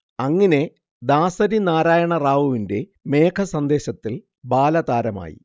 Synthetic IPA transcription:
ɐŋːɐne̞ | d̪aːsɐɾinaːɾaːjɐɳɐraːʋuʋinde̞ | me̞ːkʰɐsɐnd̪e̞ːɕɐt̪ːil | baːlɐd̪aːɾɐma̰ːjḭ

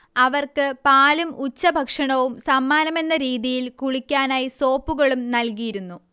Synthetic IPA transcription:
ɐʋɐrkɨpaːlumut͡ɕːɐbʱɐkʂɐɳɐʋumsɐmːaːnɐme̞nːɐɾiːðijilkuɻikʲːaːnaːjiso̞ːpːuɣɐɭumnɐlkijiɾunːu

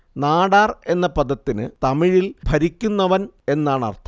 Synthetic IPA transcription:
naːɽaːre̞nːɐpɐd̪ɐt̪ːinɨt̪ɐmiɻilbʱɐɾikʲːunːɐʋɐne̞nːaːɳɐ̰rt̪ʰɐ

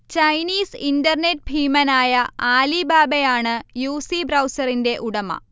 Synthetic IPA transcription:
t͡ɕɐjniːsindɐrnet̚bʱiːmɐnaːjɐaːlibaːbejaːɳɨjuːsibrɐwsɐrinde̞ʔuɽɐmɐ̰

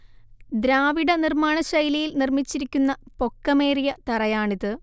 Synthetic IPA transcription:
d̪ɾaːʋiɽɐnirmaːɳɐɕɐjlijilnirmit͡ɕːiɾikʲːunːɐpo̞kːɐme̞ːrijɐt̪ɐrɐjaːɳiðɨ

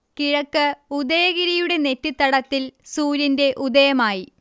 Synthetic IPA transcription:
kiɻɐkːɨud̪ɐjɐɣiɾɐjuɽe̞ne̞tːit̪ːɐɽɐt̪ːilsuːɾinde̞ʔud̪ɐjɐmaːji

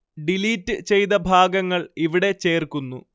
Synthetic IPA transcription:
ɖiliːtːɨt͡ɕe̞jt̪ɐbʱaːɡɐŋːɐɭiʋiɽe̞t͡ɕe̞ːrkunːṵ

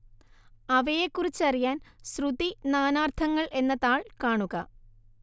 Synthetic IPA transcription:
ɐʋɐjekːurit͡ɕːɨɐrijaːnsrud̪inaːnaːrt̪ʰɐŋːɐɭʔe̞nːɐðaːɭkaːɳuɣɐ

